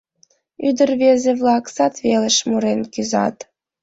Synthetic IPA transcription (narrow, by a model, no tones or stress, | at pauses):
yd̪ərβezeβlɑksɑt̪βelə̆ʃmuɾenkyzɑ̰t̪